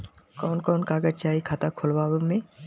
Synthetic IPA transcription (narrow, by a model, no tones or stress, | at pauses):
kɔːnkɔːnkaːɡəd͡ʒt͡ʃaːikʰaːt̪akʰʊlbaːʋmẽː